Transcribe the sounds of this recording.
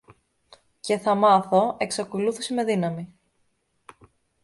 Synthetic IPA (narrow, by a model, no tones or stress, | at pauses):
ce̞θɐmɐθo̞e̞ksɐko̞luθiseme̞ðinɐmi